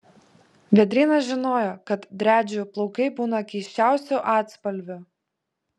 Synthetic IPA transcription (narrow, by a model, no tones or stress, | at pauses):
ʋʲɛd̪ʲɾʲɪnɐʒʲɪnoːjokɐt̪d̪ʲɾʲæːd͡ʒʲʊplˠɔʊkɐɪbuːnɐkʲɛɪʃʲt͡ʃʲæˑʊsʲʊʔɑːt̪spɐlʲʋʲʊ